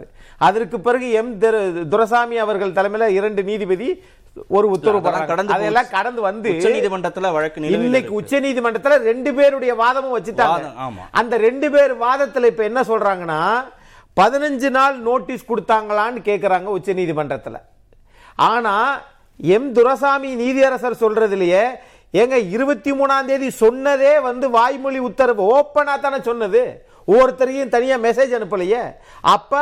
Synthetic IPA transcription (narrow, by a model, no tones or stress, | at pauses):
ɯ | ɐðɐrkɯpːɪɾɐɣɯɛmd̪ɾd̪ʊɾɐs̬aːmɪɐʋɐɾɣɐɭt̪ɐlɐmɐlɐɪɾɐɳɖɯniːðipɐði | ɔɾɯʊt̪ːɐɾɯpɐːãɾaːɡɐɽɐnd̪ɐðɐɛlːãːkɐɽɐnd̪ɯʋɐnd̪ɯðimɐɳɖrɐt̪ːɪlʋɐɻɐkːniɪnːɐkkːɯʊt͡ʃːɐniːðimɐɳɖrɐt̪ːɪlɐɾɛɳɖɯpeːɾɯɽɐjɐʋaːðɐmɯ̃ʋɐt͡ʃːɯʈːaːŋɡɐːmʔɐnd̪ɐɾɛɳɖɯpeːɾʋaːðɐt̪ːɪlɐɪpːɐːɛnːɐsɔlɾaːŋɡɐnːaː | pɐðɪnɐɲd͡ʒɯnaːlnoːʈːiskɔɽɯt̪ːaːŋɡɐɭaːnːɯkeːʈkɪɾaːŋɡɐʊt͡ʃːɐniːðimɐɳɖrɐt̪ːɪlɐ̰ | ʔaːnaː | ɛmd̪ʊɾɐs̬aːminiːðɪɐɾɐsɐɾsɔlɾɐðɪlɐje | ɛŋɡɐɪɾɯbɐt̪ːimuːnaːnd̪eːðisɔnːɐðeːʋɐnd̪ɯʋaːjmʊɭiʊt̪ːɐɾɐʋoːpːɐnaːt̪aːnɐsɔnːɐðɯ | oːɾɯt̪ːɐɾɐjɯ̃nt̪ɐnɪjamɛs̬eːd͡ʒɐnɯpːɐlɐjɐ | ʔɐ̰pːɐ